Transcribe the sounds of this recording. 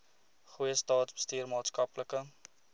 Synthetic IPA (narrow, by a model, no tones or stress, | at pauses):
χujəstɑːtbə̥styːrmɑːtskɐpləkə